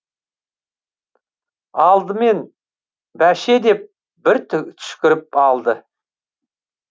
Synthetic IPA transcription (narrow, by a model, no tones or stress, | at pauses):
ɑlˠd̪əme̞n | bæʃe̞d̪e̞p̚ | bɪɾt̪t̪ʰʏ̥ʃkʲɪɾɪpɑlˠd̪ə